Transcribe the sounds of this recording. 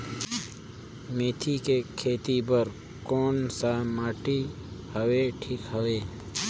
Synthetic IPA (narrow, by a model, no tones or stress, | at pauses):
meːt̪ʰikekʰeːt̪ibəɾ | koːnsamaːʈi | həweʈʰiːkɦəweː